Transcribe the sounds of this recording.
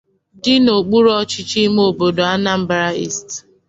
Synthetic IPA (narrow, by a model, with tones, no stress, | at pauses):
dɪ˦no˨k͡pu˦ɾɔ˦t͡ʃɪ˦t͡ʃi˦m˦o˨bo˨do˨a˦na˦m̩˦bɾa˦ḭ˦˨st